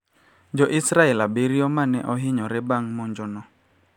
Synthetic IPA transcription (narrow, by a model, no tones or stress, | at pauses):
d͡ʒɔʔɪsɾaɛlabeɾiɔmanɛ̰ʔɔɦɪɲɔɾɛbaŋmɔɲd͡ʒɔnɔ